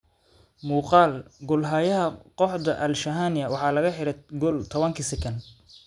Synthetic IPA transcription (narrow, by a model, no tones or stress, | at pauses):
muːqɑːlɡʊlɦaːjɐɦɐqɔħd̪ɐʔɐlʃɐɦaːnɪɐwɑħɑːlɐɣɐħɪɾɐɡɔlt̪ʰɔβɐŋkʰisɛkʰɐn